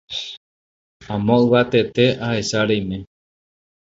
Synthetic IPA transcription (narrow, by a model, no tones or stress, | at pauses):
ãmõɨʋat̪e̞t̪e̞ahe̞saɾejmẽ